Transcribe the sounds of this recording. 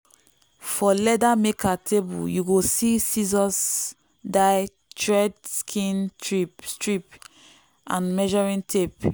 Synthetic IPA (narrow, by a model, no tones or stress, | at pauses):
fɔlɛdamekʰatʰebṵljuɡosisizɔs | daɪ | tʰɹɛdskʰĩntʰɹip̚stɹip | ʔã̰nmɛʒɔɹĩntʰep